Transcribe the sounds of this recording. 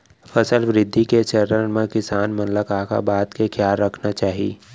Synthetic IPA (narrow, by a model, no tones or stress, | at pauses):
fɐsəlʋɾɪd̪ʱːiket͡ʃəɾənmẽkɪsaːnmɐnləkaka̰baːt̪kekʰjaːlɾəkʰnat͡ʃaːɦi